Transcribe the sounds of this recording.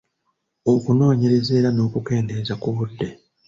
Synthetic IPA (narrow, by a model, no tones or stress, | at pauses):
okuno̞ːɲe̞ɾe̞ze̞ːɾano̞ːkuke̞ːnde̞ːzakuβudːe̞